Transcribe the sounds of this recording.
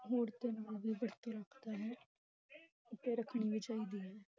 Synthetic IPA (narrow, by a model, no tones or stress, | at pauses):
ɦoːɾt̪eːnaːlʋiːbəɾt̪iːɾəkʰd̪aːɦɛː | ʊt̪eːɾəkʰɳiːʋit͡ʃaːiːd̪iːɦɛː